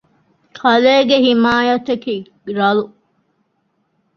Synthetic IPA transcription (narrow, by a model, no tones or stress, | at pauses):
kʰɐleːɡehimaːjɐt̪ɐkiː | ɾɐlu